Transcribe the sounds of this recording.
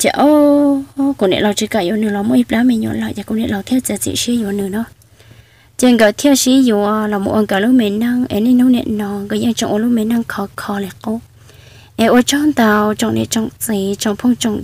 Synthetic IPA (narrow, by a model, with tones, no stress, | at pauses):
t͡ʃa̰˧˨ʔo˦ | ku˨nḛ˧˨la˧˨t͡ʃi˧ka˧˨jo˧˨nɨ̃˨lɔ˧mõ˦i˧pla˧˦mẽ˧˨ɲõ̰˧˨la˧˨ʔja˧˨ku˧˨nẽ˧ʔla˧˨t̪ʰja˦˨t͡sa˧˨t͡sḭ˧˨ʔʃi˦jo˧˨a˨nɨ̃˨nɔ̃˦ | te˧ŋɡa˧˨t̪ʰja˦˨ʃi˦jo˧a˧la˨mo̰˧˨ʔa˧ŋɡa˨lu˦mẽ˧˨nã˦˧˨ŋḛ˧˨nĩ˦n̥ũ˦nḛ̃˧˨ʔnɔ̃˧ŋɡa˧˨ja˧ŋt͡ʃõ̰˧˨ʔlu˦mẽ˧˨nã˧˨ŋkʰɔ˧˨kʰɔ˧le˨qo˦ | ʔe˧ʔo˧t͡ʃɔ̃˦nd̪a˧wt͡ʃo˧ŋʔnḛ˧˨ʔt͡ʃo˧˨ŋt͡siː˨t͡ʃo˧˨ŋpʰo˦ŋt͡ʃo˧˨ŋ